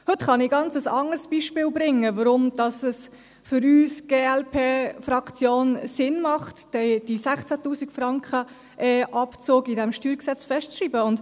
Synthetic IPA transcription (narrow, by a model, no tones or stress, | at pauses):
hɵtχɑnɪɡɑnt͡səsɑ̰ŋərsb̥iʃpɪːlbɾɪŋːəʋəɾʊmd̥ɑsəs | fʏɾyːsɡ̥eːɛlpʰeːfrɑkt͡sjoːnsɪnmɑχtːɛd̥isæχt͡sætuːsiɡfrɑŋkχə | ʔɛːʔɑpt͡soːɡidɛmʃtyːɾksɛt͡sfɛʃtt͡sriːbəʊnd